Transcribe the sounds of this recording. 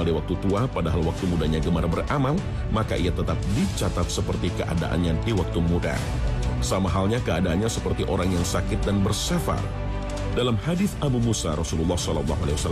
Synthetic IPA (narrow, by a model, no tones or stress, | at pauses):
aldiwak̚t̪ut̪uapadaɦalwak̚t̪umudaɲaɡəmaɾabərʔamal | makaʔiat̪ət̪ap̚dit͡ʃat̪at̪̚səpərt̪ikəʔa̰da̰ʔa̰nɲadiwak̚t̪umuda̰ | samaɦalɲakəadaanɲasəpərt̪iʔoɾaŋjaŋsakɪt̪̚danbərsafa̰r | dalamhadɪθʔabumusa̰ɾɔsululˠːɑhsɔlɔlːɑ̰ɦalewasal